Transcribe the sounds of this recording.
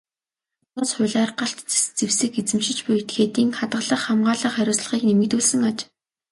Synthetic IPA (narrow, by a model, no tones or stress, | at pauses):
ʊsχʊ̟ɮaːrɢaɬt̪t͡sest͡sewsɘ̆ket͡sɘ̆mʃɪ̆t͡ɕpʊjet̪xeːt̪iːŋχat̪ɢə̆ɮə̆χːamɢaːɮə̆χæɾʲʊːsɮə̆χiːknemɘ̆kt̪uːɮsɘ̆ŋat͡ɕ